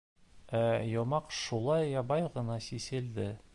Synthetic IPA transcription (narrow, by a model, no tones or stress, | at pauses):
æjɒmɑqʃulˠɑjːɒbɑjʁɤ̆nɑsisɘ̆ld̪ɘ